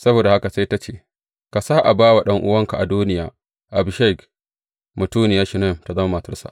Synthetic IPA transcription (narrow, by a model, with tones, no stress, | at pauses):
sɐ˦boː˨da˨ha˦ka˨sa˦jta˦t͡ʃeː˦˨ | ka˨saː˦ʔa˨baː˦wa˨ɗɐ˦ŋʔʊ̰˦wɐ˦ŋka˨ʔa˨duː˦nɪ˦jaː˦ | ʔa˨bʃɛ˦˨k | mu˨tuː˦nɪ˨jaː˦ʃi˨nɛ˦˨mta˨zɐ˦ma˦ma˨tɐ˦sa̰˨ʔ